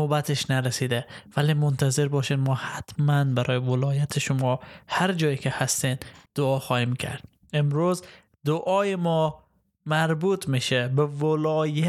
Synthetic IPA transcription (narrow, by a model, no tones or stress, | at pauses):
obat̪ʰeʃnaɾæsid̪ævæliːmont̪ʰazeɾbɒːʃed̪mɒːhat̪mænbæɾʔɒːjevolɒːjat̪ʰeʃʊmɒhaɾd͡ʒɒːjikʰehast̪end̪̥ʊɒːxɒːhimkʰæ̰ɾd̪̥ | emɾuz | d̪ʊʔɒːjemɔ | mæɾbuːt̪ʰmiʃebevolɒːja